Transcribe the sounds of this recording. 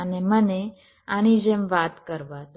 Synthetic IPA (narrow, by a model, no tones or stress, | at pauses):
əneməne | añid͡ʒemʋat̪kəɾʋat̪